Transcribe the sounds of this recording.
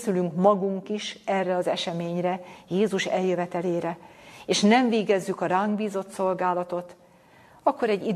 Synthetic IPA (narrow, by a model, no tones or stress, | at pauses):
sylyŋkmɒɡuŋkiʃɛrːɛɒzɛʃɛmeːɲrɛjeːzuʃɛljøvɛt̪ɛleːɾɛeːʃnɛɱveːɡɛzːykɒɾaːŋɡbiːzo̞t̪so̞lɡaːlɒt̪o̞t̪ | ɒkːo̞ɾɛɟːi